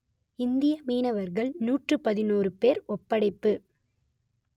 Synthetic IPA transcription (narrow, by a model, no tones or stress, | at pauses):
ɪnd̪ɪjɐmiːnɐʋɐɾɣɐɭnuːʈrɯpɐðɪnuːrɯpeːɾɔpːɐɽɐɪpːɯ